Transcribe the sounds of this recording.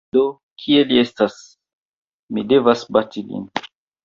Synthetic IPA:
do | kʰieliestas | midevasbatilḭn

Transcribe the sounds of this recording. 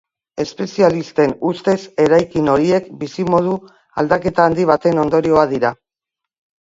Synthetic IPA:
e̞spe̞sialist̪e̞nust̪e̞se̞ɾajkino̞ɾie̞kbisimo̞ð̞u | ald̪ake̞t̪aːnd̪iβ̞at̪e̞no̞nd̪o̞ɾio̞aðiɾa

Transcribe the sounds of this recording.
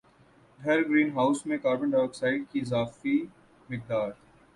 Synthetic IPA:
ɖʱɐɾɡɾiːnɦaːʊsmẽkaːɾbə̃ɳɖɔːksaːɪɖ̚kiɪzaːfi | mɪk̚d̪aːɾʰ

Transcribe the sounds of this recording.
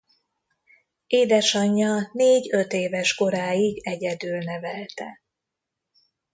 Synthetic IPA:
eːd̪ɛʃɒɲːɒneːɟøt̪eːvɛʃko̞ɾaːjiɡɛɟɛd̪yːlnɛvɛlt̪ɛ̰

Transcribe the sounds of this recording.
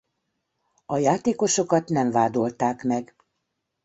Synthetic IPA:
ɒjaːt̪eːko̞ʃo̞kɒt̪nɛɱvaːd̪o̞lt̪aːkmɛɡ

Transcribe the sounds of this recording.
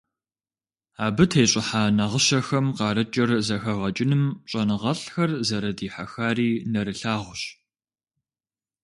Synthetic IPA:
aːbɨtʰejɕʼɪħaːnɐʁəɕɐxɐmqɑːɾɐt͡ʃʼɐrzɐxɐʁɐt͡ʃʼɪnɨmɕʼɐnɨʁɐɬxɐrzɐɾɐdiːħaxaːriːnɐɾɨɬaːʁʷʊɕ

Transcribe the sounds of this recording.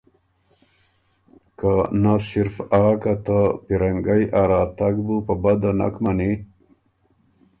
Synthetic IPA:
kanasiɾfaːkat̪apiɾaŋɡajʔaɾaːt̪aɡbupɐbad̪ana̰kmani

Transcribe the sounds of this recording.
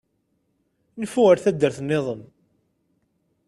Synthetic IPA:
nəfuəɾθæd̪ːəɾθənːeðˤəm

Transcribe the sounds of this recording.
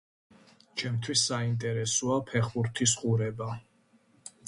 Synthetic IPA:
t͡ʃʰɛmt̪ʰwisːaint̪ʼɛɾɛsɔapʰɛχuɾt̪ʰisqʼuɾɛba

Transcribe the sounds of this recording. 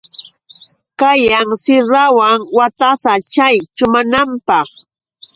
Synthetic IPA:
kajaŋsɪɾawaŋwat̪asat͡ʃajt͡ʃʊmanampɑχ

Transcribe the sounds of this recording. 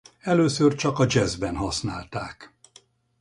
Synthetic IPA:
ɛløːsørt͡ʃɒkɒd͡ʒɛzbɛnɦɒsnaːlt̪aːk

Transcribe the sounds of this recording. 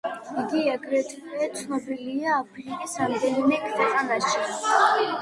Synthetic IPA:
iɡiaɡɾɛt̪ʰkʰʼɛt̪sʰnɔbiliaːpʰɾikʼisɾamd̪ɛnimɛkʰʼd̪ɛqʼanaʃi

